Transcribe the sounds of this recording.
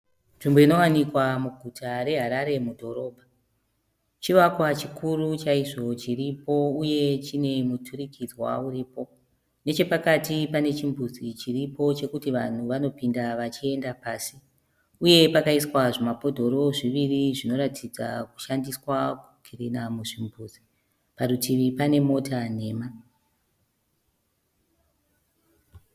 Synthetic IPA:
nʐimboino̞wanikwamuɡʱutʰaɾe̞ɦaɾaɾe̞mudʱo̞ɾo̞ːbʱa | t͡ʃiʋakwat͡ʃikʰurut͡ʃaiʐo̞t͡ʃiripo̞uje̞t͡ʃine̞mutʰurikʰid͡zwa̰uriːpo̞ | ne̞t͡ʃe̞pakatipane̞t͡ʃimbud͡zit͡ʃiripo̞t͡ʃe̞kutiʋan̤uʋano̞pindaʋat͡ʃie̞ndapaːsi | uje̞pakaiswaʐemapo̞dʱo̞ɾo̞ʐiʋiriʐino̞ɾatʰid͡za̰ku̥ʃandiswaku̥kʰirenamuʐimbuːd͡zi | paɾutʰiʋipane̞mo̞tane̞ːma

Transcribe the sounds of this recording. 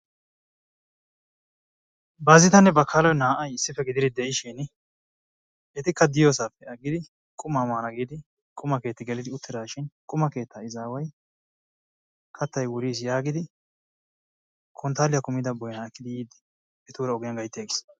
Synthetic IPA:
bazɪt̪ɐnːɛbɐkʰːaːlɔjnaːʔɐjɪsːɪfɛɡɪd̪ɪɾɪd̪ɛʔɪʃin | ɛt̪ɪkːɐd̪ɪjoːsaːpːɛɐɡːɪd̪ɪ | kʼʊmaːmaːnɐɡiːd̪ɪ | kʼʊmɐkeːt̪ːɪɡɛlɪd̪ɪʊt̪ːɪd̪aːʃɪnkʼʊmɐke̞ːt̪ːɐɪzaːwɐj | kʰɐt̪ːɐjwʊɾiːs̬jaːɡɪd̪ɪ | kʰɔnt̪aːlɪjɐkʊmːɪd̪ɐbɔjaɛkːɪd̪ɪjiːd̪ɪ | ɛt̪uːɾɐɔɡɪjɐnɡɐjt̪ːeːɡɪs

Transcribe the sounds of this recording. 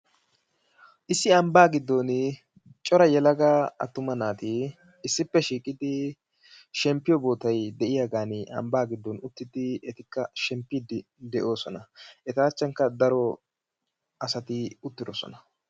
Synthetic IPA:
ʔɪsːɪɐmbaːɡɪd̪ːɔn | t͡ʃʼɔɾɐjɛlɐɡaːɐ̰t̪ːʊmɐnaːt̪ɪ | ɪsːɪpːɛʃiːkʼɪd̪ɪ | ʃɛmpːɪjɔbo̞ːt̪ɐjd̪ɛʔɪjaɡaːnɪʔɐ̰mbaːɡɪd̪ːɔnʊt̪ːɪd̪ɪɛt̪ɪkːɐʃɛmpːɪd̪ɪ | d̪ɛʔo̞ːsɔnɐɛt̪aːt͡ʃːɐŋkːɐd̪ɐɾɔ | ɐsɐt̪ɪʊt̪ːɪd̪ɔsɔ̰nɐ

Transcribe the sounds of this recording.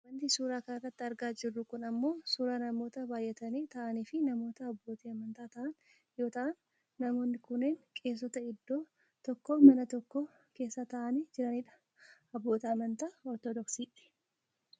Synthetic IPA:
wɐnt̪isuːɾaːkɐnɐrːɐt̪ːɪɐɾɡaːd͡ʒɪrːʊkʊnɐmːo̞ːsuːɾaːnɐmo̞ːt̪ɐbaːjʔɛt̪ɐniːt̪ɐʔɐniːfɪnɐmo̞ːt̪ɐɐbːo̞ːt̪iːɐmɐnt̪aːt̪ɐʔɐn | joːt̪ɐʔɐnː | ɐmo̞ːnːɪkʊnːeːŋkʼe̞ːs̬ːɔt̪ɐɪd̪ːo̞ː | t̪ɔkːoːmɐnɐt̪ɔkːoː | ke̞ːsːat̪ɐʔɐniːd͡ʒɪɾɐniːᶑɐ̥ | ɐbːoːt̪iɐmɐnt̪aːɔɾt̪ɔd̪ɔksiːᶑɪ̥

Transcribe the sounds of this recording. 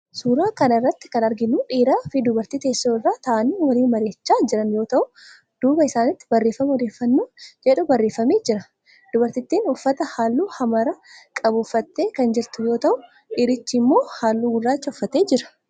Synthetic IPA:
suːɾaːkɐnɪrːɐt̪ːɪ̥kɐnɐɾɡɪnːuːᶑiːɾaːfɪd̪ʊbɐɾt̪iːt̪e̞ːsːoːɪrːaːt̪ɐʔɐniːwɐliːnmɐɾe̞ːt͡ʃːaːd͡ʒɪɾɐnjo̞ːt̪ɐʔʊ | d̪̥uːbɐɪsaːnɪt̪ːɪ̥bɐrːeːfɐmɔd̪eːfːɐnːoːd͡ʒɛᶑʊbɐrːeːfɐmeːd͡ʒɪɾɐ | d̪̥ʊbɐɾt̪ɪt̪ːiːnʊfːɐt̪ɐhaːlːuːhɐmɐɾɐkʼɐbʊfːɐt̪ːe̞ːkɐnd͡ʒɪɾt̪ʊjo̞ːt̪ɐʔʊ | ᶑɪɾɪt͡ʃːɪmːo̞ːhaːlːuːɡʊrːaːt͡ʃːɐʊfːɐt̪e̞ːd͡ʒɪɾɐ̥

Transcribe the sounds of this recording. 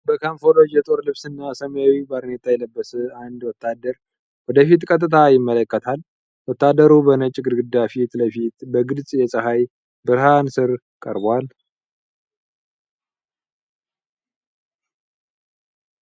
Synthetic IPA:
bəkʰanfo̞lo̞d͡ʒjɛt̪ʼo̞ɾlɨβsɨnːasəmjawibaɾnet̪ʰajɛləbːəsɨand̪wɔt̪ʰːad̪əɾ | wɔd̪əfit̪kʼət̪̬ʼːɨt̪ʰajɪmːələkːət̪ʰal | wɔt̪ːad̪əɾubənət͡ʃʼːɪɡɨɾɡɨd̪ːafit̪ləfit̪bəɡɨlsʼjɛsʼəɦaj | bɨɾhansɨɾ | kʼəɾbal

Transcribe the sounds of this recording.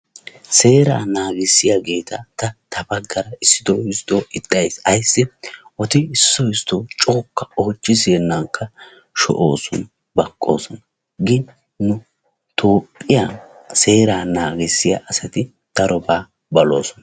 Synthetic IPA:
se̞ːɾa̰ːnaːɡɪsːɪjaɡe̞ːt̪ɐt̪ɐt̪ɐbɐɡːɐɾɐɪsːɪd̪oɪst̪oːʔɪt̪ʼːɐjsɐjsːɪɔt̪ɪɪsːɔɪst̪oːt͡ʃʼo̞ːkːɐo̞ːt͡ʃːɪzeːnːaŋkːɐ | ʃɔ̰ʔo̰ːsɔn | bɐkʼːo̞̰ːsɔnɐ | ɡɪ | nʊ | t̪ʰoːpʼːɪjaː | se̞ːɾaːnaːɡɪsːɪja̰ʔɐsɐt̪ɪ | d̪̥ɐɾɔbaː | bɐlo̞ːsɔnɐ

